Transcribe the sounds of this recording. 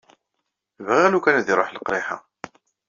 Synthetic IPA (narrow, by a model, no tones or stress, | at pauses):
vʁælukænæðiɾˤoħləqɾeħa̰